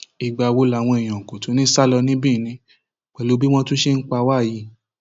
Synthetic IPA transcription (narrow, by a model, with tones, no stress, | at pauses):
i˨ɡ͡ba˧˨˧wo˧la˨w̃ɔ̃˧i˨j̃ã˨ko˨to˨˦nĩ˦sa˦lɔ˧nĩ˦bĩ˦˨nĩ˧ | k͡pɛ˨lo˨˦bi˦w̃ɔ̃˦tũ˦ʃe˦n̩˦k͡pa˧wa˦˨ji˧˦